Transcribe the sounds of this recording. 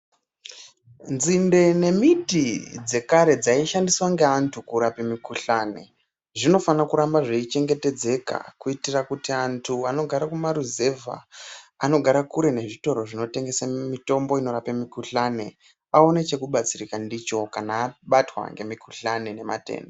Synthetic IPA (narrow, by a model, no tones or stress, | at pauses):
nzinde̞ne̞mitid͡ze̞kaɾe̞d͡zaiʃandiswaŋɡe̞antʰukuɾapemikuɬane̞̰ | ʐino̞fanakuɾambaʐeit͡ʃe̞ŋɡete̞d͡ze̞ka̰kuitirakutiantʰuano̞ɡʱaɾakumaɾuze̞va̰ano̞ɡʱaɾakuɾe̞ne̞ʐito̞ɾo̞ʐino̞te̞ŋɡe̞samito̞mbo̞ino̞ɾapemikuɬane̞ | ao̞net͡ʃe̞kuɓat͡sirikandit͡ʃo̞kanaːɓatwa̰ŋɡe̞mikuɬanene̞ma̰te̞̰ːndo